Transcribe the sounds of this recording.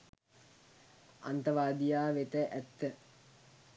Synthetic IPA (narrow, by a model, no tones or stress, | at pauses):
a̰nt̪ɐʋaːd̪ijaːʋet̪əʔæt̪ːə